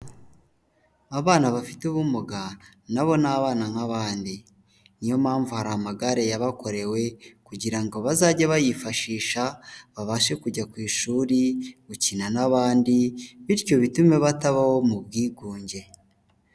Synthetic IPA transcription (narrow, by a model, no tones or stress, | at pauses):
aβaːnaβafituβumuɡa | naβo̞naβaːnanhaβaːndi | nijo̞maːɱvuhaɾamaɡaɾe̞jaβako̞ɾe̞we̞kuɟiɾaŋɡo̞βazaɟaβajifaʃiːʃaβaβaʃe̞kuɟakwiːʃuːɾiɡucinanaβaːndiβiɾco̞βitume̞βataβaho̞mubɡiːɡuːɲɟe̞